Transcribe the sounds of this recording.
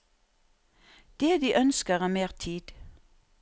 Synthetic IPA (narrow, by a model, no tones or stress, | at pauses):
d̪̥eːd̪iːʔœnskəʁæːmeːʁt̪ʰiːd̪̥